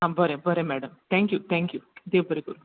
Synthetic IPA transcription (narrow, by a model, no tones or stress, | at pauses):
ɦãbʱəɾebəɾemɛɖəmt̪ʰɛ̃ŋkjut̪ʰɛ̃ŋkjud̪eːʋbʱəɾikoɾu